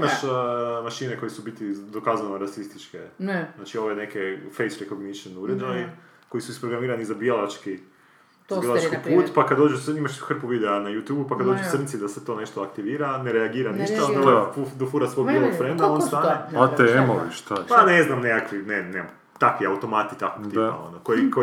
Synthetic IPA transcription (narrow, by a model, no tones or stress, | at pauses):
imaʃmaʃiːneko̞jisubit̪id̪o̞kaznanoɾasist̪it͡ʃkeznat͡ʃio̞ʋene̞kefejsɾekoɡniʃenuɾed͡ʒaji | ko̞jisuispɾoɡɾamiːɾanizabijelˠat͡ʃki | bielat͡ʃkipuːt̪pakad̪d̪o̞ːd͡ʒusimaʃxr̩puʋiːd̪eanajut̪juːbupakad̪od͡ʒusrnit̪sid̪asʋet̪o̞neʃt̪oakt̪iʋiːɾaneɾeaɡiːɾaniʃt̪aod̪aoʋfud̪ofuɾasʋoɡ̪bielˠoɡfɾend̪omonst̪aːneat̪eemoʋiʃt̪apaneznamnekakʋinene | t̪akʋiaut̪o̞mat̪it̪akoɡ̥t̪iːpa̰o̞̰nokoiko